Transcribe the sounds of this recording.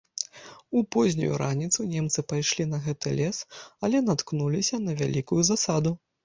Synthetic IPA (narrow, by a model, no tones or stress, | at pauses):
upɔzʲnʲṵjṵɾanʲit̪sunʲɛmt̪sɨpajʂlʲin̪ɐɣɛt̪ɨlʲɛsɐlʲɛnat̪knulʲisʲɐnɐvʲalʲikujuzasad̪u